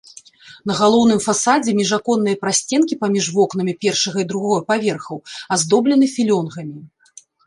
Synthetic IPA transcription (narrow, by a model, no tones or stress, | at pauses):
n̪ɐɣalˠɔwn̪ɨmfasad͡zʲɛmʲɛʐakɔnːɨjɐpɾasʲt͡sʲɛnkʲipamʲiʐvɔkn̪ɐmʲipʲɛrʂɐɣɐid̪ɾuɣɔjɐpavʲɛrxɐwazd̪ɔblʲɛnɨfʲilʲɔnɣɐmʲi